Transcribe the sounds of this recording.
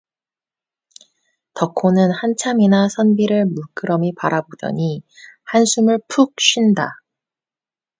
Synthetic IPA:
tʌkʰonɯnhant͡ɕʰaminasʰʌnbiɾɯɭmuɭk͈ɯɾʌmipaɾʔabodʌ̰ɲihansʰumɯɭpʰuk̚ɕ͈ʰinda

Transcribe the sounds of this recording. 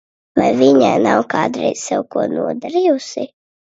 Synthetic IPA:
vajviɲa̰ːnawkaːd̪ɾɛ̰jz̥sɛwkuɔnṵɔd̪aɾijusi

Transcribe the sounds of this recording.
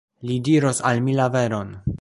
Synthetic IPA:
lidiɾosalmilave̞ɾo̞n

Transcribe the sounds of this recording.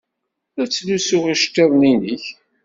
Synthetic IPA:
æt͡sːlusʊʁiʃt̪ːeðˤniniç

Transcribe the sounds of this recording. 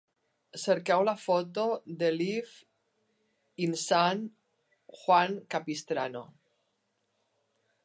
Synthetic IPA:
seɾkɛwlafɔt̪od̪elif | insan | xwaŋkapist̪ɾano̰

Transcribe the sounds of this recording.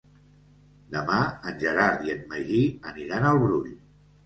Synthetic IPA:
d̪əmaənʲʒəɾaɾðiənməʒiəniɾanəlˠβɾuʎ

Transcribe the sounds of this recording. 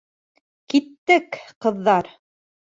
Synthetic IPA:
kit̪ːɘkqɤ̆ðːɑɾ

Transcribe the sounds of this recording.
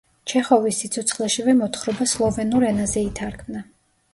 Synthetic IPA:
t͡ʃʰɛχɔvisːit̪sʰɔt̪sʰχlɛʃivɛmɔt̪ʰχɾɔbaslˠɔvɛnuɾɛnazɛit̪ʰaɾkʰmna

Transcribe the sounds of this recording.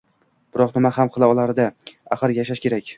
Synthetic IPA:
b̥ɪɾɒqnɪmahamqʰɨlˠaɒlˠaɾd̪aa̰χɨɾjaʃ̬aʃkʲe̞ɾakʲ

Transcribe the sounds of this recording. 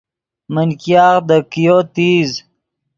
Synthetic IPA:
mənkijɑːqd̪əkijot̪iːz

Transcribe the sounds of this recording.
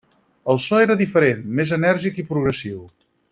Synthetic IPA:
əlˠsɔeɾəðifəɾenmezənɛɾʒikipɾuɣɾəsiw

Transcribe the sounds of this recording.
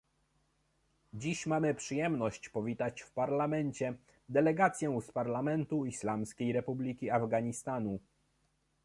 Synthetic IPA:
d͡ʑiɕmamɘpʂɘjɛmnɔɕt͡ɕpɔvʲit̪at͡ɕfpaɾlamɛnt͡ɕɛ | d̪ɛlɛɡat̪sʲjɛspaɾlamɛnt̪uislamskʲejɾɛpublʲikʲiavɡaɲist̪anu

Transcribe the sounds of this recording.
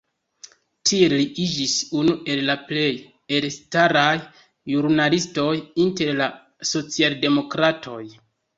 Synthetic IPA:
tʰie̞liʔid͡ʒisunuʔe̞llaple̞j | elstaɾajː | uɾnalisto̞jinte̞ɾla | so̞t͡sialde̞mo̞kɾatʰo̞j

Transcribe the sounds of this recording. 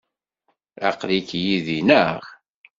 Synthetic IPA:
æ̰qlikjiðinəʁ

